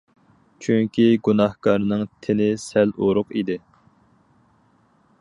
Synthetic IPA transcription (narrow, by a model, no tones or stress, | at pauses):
t͡ʃʰyŋkʲiɡunɑhkɑɾnɨŋt̪ʰɪnɪsɛloɾʊqid̪ɪ